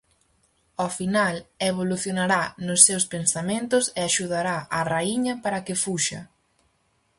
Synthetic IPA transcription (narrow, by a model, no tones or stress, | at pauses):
ofinaleβoluθjonaɾanʊsːewspensamẽnt̪ʊseaʃuðaɾaʔaraiɲɐpaɾɐkɪfuʃɐ̰